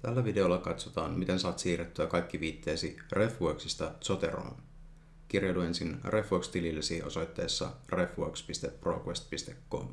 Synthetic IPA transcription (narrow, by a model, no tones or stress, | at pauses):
t̪ælːæʋide̞olːɑkɑt̪sot̪ɑ̰ːnmit̪e̞nsɑːt̪siːret̪ːyækɑjkːiʋiːt̪ːe̞ːsire̞fʋuoksist̪ɑt̪sot̪e̞̰ɾo̰ːn | k̟irjɑjlue̞nsinrefʋuokst̪ililːesiːʔo̞̰sojt̪ːe̞̰ːsːɑ̰refʋuokspist̪epːro̞̰ːkwest̪pist̪e̞kːo̞̰m